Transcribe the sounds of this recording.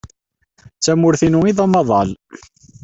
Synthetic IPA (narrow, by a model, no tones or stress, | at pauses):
t͡sːæmʊɾθinuiðˤɑmɑðˤɑl